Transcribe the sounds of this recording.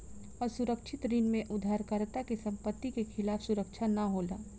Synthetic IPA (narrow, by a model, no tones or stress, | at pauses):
ɔːɾsʊɾəkʃʰɪt̪ɾiːnmẽʔʊd̪ʱːaːɾkəɾt̪akesɐ̃mpət̪ːikexɪlaːfsʊɾəkʃʰanɐɦoːlaː